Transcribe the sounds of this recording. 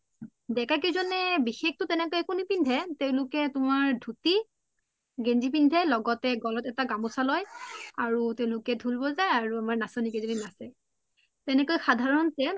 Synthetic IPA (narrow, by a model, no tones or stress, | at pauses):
dɛkakizɔnɛbixek̚tʊtɛnɛkɔjɛkunipindʱɛteʊ̃lʊkɛtʊmaɹdʱuti | ɡenzip̬indʱɛlɔɡɔtɛɡɔlɔtɛtaɡamɔsalɔjaɹuteʊ̃lʊkɛdʱulbɔzajaɹuamaɹnasonikɛzodinasɛ | tɛnɛkojxadʱaɹɔntɛ